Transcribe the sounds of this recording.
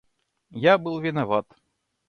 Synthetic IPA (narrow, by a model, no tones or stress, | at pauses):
jabɨlˠvʲɪnavat̪